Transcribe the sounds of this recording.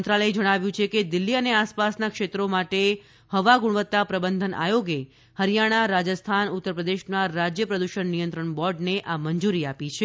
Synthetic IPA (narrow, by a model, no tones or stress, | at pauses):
nt̪ɾaləed͡ʒəɽ̃aʋjũt͡ʃʰeked̪ilːiəneaspasnakʃet̪ɾomaʈe | həʋaɡuɽʋət̪ːapɾəbənd̪ʱənʔa̰joɡe | həɾijaɽ̃aɾad͡ʒəst̪ʰanut̪ːəɾpɾəd̪eʃnaɾad͡ʒjəpɾəd̪uʃəɳnijənt̪ɾəɳbɔɾɖneʔaməɲd͡ʒuɾiapit͡ʃʰe